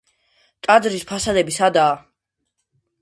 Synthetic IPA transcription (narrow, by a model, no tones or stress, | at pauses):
t̪ʼad̪zɾispʰasad̪ɛbisad̪aː